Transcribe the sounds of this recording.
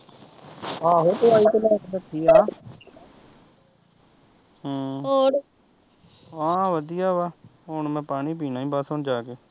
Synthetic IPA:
aːɦoːt̪ʊaːiːt̪elɛːɪkbəʈʰːiːaː | ɦːoːɽ | ɦãːʋəd̪ijaːʋaːɦonmɛ̃ːpaːniːpiːnãːĩːbasoːnd͡ʒaːkeː

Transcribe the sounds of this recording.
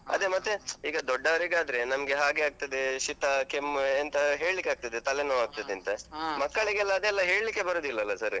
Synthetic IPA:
ɐ̰d̪emɐt̪ːeiːɡɐd̪ɔɖːaʋɐɾiɡaːd̪ɐɾe̞nɐmɡeɦaːɡeaːɡ̚t̪ɐd̪eʃit̪ɐkemːnt̪ɐɦe̞ːɭlikːeaːɡ̚t̪ɐd̪et̪ɐlenoːaːɡ̚t̪ɐd̪eɐnt̪ɐmɐkːɐɭiɡɛlːɐːd̪eːlːɐɦe̞ːɭlikːebɐɾoːd̪ilːɐɐlːɐsɐɾ

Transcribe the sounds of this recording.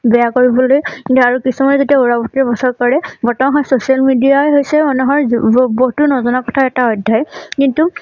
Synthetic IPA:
bɛjakoɹibɔlojkintuaɹukisumazotiauɹabɔtɛbɔsɔɹkɔɹɛbɔtɔmaɦɔjsosialmidijaɦojsɛmanuɦɔjɹbɔɦtuɹnɔzɔnakɔtʰaɛtaɔjdʱːajkintu

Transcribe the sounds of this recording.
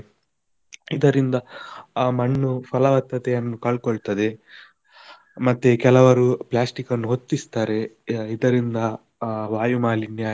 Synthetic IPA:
id̪ɐɾind̪ɐ | mɐɳːupʰɐlɐʋɐt̪ːɐt̪ɛjɐnːukɐɭkoɭt̪ɐd̪e̞ | mɐt̪ːekɛlɐʋɐɾuplaːsʈikɐnːuɦot̪ːist̪aːɾe̞id̪ɐɾind̪ɐ | ʋaːjumaːlinjaː

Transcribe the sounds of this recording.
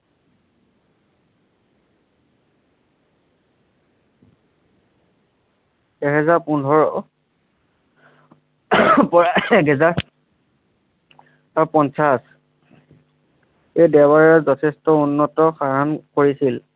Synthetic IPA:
ɛɦɛzaɹpundʱɔɹ | pɔɹaɛɡɛzaɹ | aɹpɔnsas | ejdɛbaɹɛzɔtʰɛstɔunːɔtɔxaɹankoɹisil

